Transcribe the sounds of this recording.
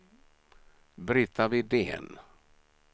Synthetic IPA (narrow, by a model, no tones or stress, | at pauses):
bɾɪt̪ʰːavɪd̪ḛːn